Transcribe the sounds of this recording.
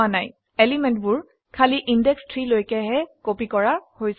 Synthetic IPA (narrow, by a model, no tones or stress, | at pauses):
anaj | ɛlimɛntbʊɹ | kʰaliʔindɛkstʰɹilojkɛɦɛkopikɔɹahojs